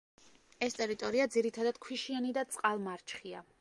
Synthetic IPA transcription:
ɛst̪ʼɛɾit̪ʼɔɾiad̪ziɾit̪ʰad̪ad̪̥kʰwiʃianid̪at̪sʼqʼalˠmaɾt͡ʃʰχia

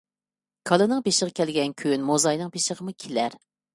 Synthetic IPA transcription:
kʰɑlˠɨnɨŋpeʃəʁɑkʲʰɛlɡʲɛnkʲʰynmozɑjnɨŋpʰeʃəʁəmukʲʰelæɾ

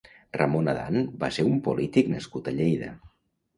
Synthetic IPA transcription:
rəmonəða̰nba̰seɾumpulit̪iknəskut̪əʎejðə̰

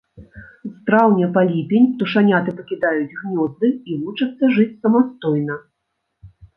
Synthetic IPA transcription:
zt̪ɾawnʲɛpalʲipʲenʲt̪uʂanʲat̪ɨpɐkʲid̪ajud͡zʲɣnʲɔzd̪ɨivut͡ʂɐt̪sːɐʐɨt͡sʲsɐmast̪ɔjnɐ

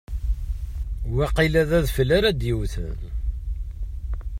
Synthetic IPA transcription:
wæqilæðæðfəlæɾæd̪jiwθ

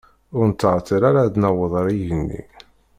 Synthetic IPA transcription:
ʊɾnt̪ːəʁt̪ːiɾaɾad̪nəwəðˤɾiʝənːḭ

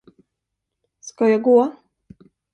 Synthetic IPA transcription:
skɔjaɡua

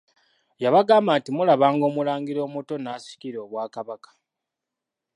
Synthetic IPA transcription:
jaβaɡaːmbantimulaβaːŋɡo̞ːmulaːŋɡiɾo̞ːmuto̞naːsi̥ciɾo̞ːβwaːkaβakḁ

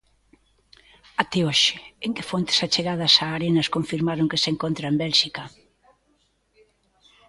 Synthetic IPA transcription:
at̪ɛoʃɪ̥eŋkɪfont̪ɪ̥sat͡ʃeɣað̞ɐsaːɾenɐskoɱfiɾmaɾoŋkeseŋkont̪ɾaembɛlʃikɐ

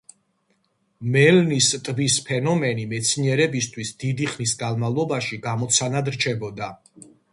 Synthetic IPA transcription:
mɛlnist̪ʼbispʰɛnɔmɛnimɛt̪sʰniɛɾɛbist̪ʰwisd̪id̪iχnisɡanmavlˠɔbaʃiɡamɔt̪sʰanad̪ɾt͡ʃʰɛbɔd̪a

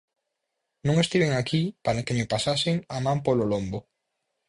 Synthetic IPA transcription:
nũŋest̪iβeŋakipaɾɐkɪmɪpasasɪŋamãmpololombo

